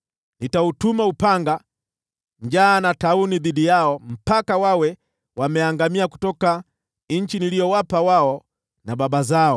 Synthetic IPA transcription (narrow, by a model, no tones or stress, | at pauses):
nitautumaupaŋɡa | ɲd͡ʒaːnatauniðiɗijaɔm̩pakawawɛ | wamɛaŋɡamiaku̥tɔka | ɲ̩t͡ʃinilijɔwapawaɔ | nababazaɔ